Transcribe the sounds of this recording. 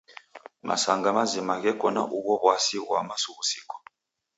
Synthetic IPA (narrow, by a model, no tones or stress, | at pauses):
mʔa̰saŋɡamazimaɣɛkɔna̰ʔuβɔβwasiɣwamasuɣusikɔ̥